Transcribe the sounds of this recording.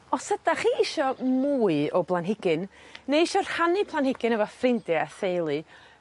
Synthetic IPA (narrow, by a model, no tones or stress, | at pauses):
ɔsədaχiːɪʃɔmuːɨɔblˠanɦɪɡɨnːejɪʃɔr̥hanipʰlˠanhɪɡɨnəvɔfrɪndɨaθejlˠi